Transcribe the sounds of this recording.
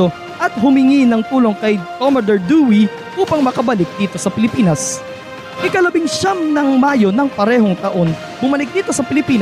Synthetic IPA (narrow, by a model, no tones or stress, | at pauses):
o̞ | ʔɐt̪̚hʊmɪŋinɐŋt̪uːlo̞ŋkɐjk̪omɐd̪ɛɹd̪uːwi | ʔuːpɐŋmɐkɐbɐlɪk̚d̪iːt̪o̞sɐpɪlɪpiːnɐs | ʔɪkɐlɐbɪŋʃɐmnɐŋmaːjo̞nɐŋpɐɾɛːɦoŋt̪ɐʔo̞n | bʊmɐlɪk̚d̪iːt̪o̞sɐpɪlɪpiːn